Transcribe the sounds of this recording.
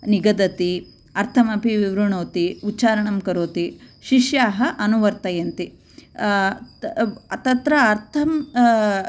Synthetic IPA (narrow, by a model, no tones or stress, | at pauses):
niɡɐd̪ɐt̪i | ɐɾt̪ʰɐmɐpiʋiʋɾuɳoːt̪iutːt͡ʃaːɾɐɳɐmkɐɾoːt̪iʃiʂjaːɦɐʔɐnuʋɐɾt̪ɐjɐnt̪i | ɐt̪ɐt̪ɾɐːɾt̪ʰɐm